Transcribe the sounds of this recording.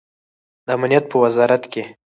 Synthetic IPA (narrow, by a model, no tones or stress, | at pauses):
d̪əamnijat̪̚pəwazɑɾat̪ke